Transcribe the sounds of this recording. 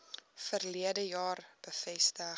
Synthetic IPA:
fərliədəjɑːrb̥əfɛstə

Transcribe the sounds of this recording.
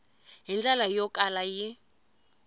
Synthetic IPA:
ɦind͡ɮalajɔkʼalaji

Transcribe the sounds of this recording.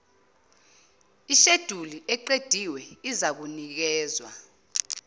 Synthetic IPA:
iʃed̥ʱuliʔɛǃed̥ʱiwɛizak̬unik̬ɛːzwa̰

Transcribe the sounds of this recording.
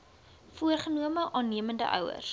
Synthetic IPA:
fuərχənuəməʔɑːnːiəməndə̰ʔœ̰wə̰rs

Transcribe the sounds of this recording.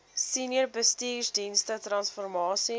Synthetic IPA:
sinərbəstiːrdinstətrɐnsfɔrmɑːsi

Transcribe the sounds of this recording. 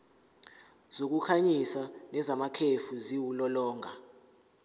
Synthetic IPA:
z̥ok̬ukʰaɲisanɛzamakʰefuziwulɔlɔːŋʱa

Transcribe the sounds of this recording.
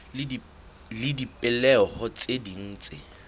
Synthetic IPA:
lɪdipʼɪlɛɔhʊt͡sʼedin̩ːt͡sʼɪ

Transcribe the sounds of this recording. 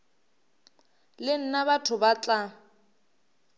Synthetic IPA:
lɪn̩nabatʰʊbat͡ɬʼa

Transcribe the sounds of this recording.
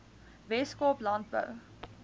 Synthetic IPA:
vɛskoplɑnt̚bə̰w

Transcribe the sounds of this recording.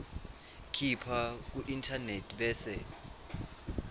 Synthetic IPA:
kʰipʰak̬uʔintʰanetʰɓɛːsɛ

